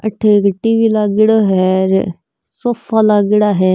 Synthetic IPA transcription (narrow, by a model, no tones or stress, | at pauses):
əʈʰːekʈiːʋiːlaːɡɪɽaːɦɛɾ̰ | soːfaːlaːɡɪɽaːɦɛː